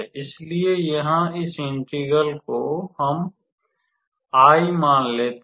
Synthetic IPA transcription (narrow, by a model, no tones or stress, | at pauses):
ɪsliejɐɦãɪsɪ̃ɳʈiɡəlkoɦəm | aːimãːnleːt̪